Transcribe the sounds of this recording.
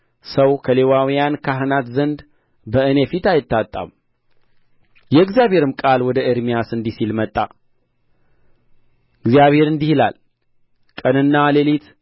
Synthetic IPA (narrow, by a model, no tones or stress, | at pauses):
səwkʰəle̞wawijankʰaɦɨnat̪zənd̪ | bəɨne̞fit̪ajɪt̪ʰːat̪ʼːa̰m | jɛɨɡzjaβhe̞ɾɨmkʼalwɔd̪əʔɪɾmijasɨnd̪isilmət̪ʼːa̰ | ɨɡzijaβhe̞ɾɨnd̪ihɨla̰l | kʼənɨnːalelit̪